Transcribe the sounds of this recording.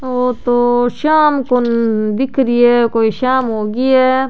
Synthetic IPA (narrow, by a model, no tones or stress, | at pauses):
oːt̪oːʃaːmkond̪ɪkʰɾiɛkoːiʃaːmɦoːɡiɛː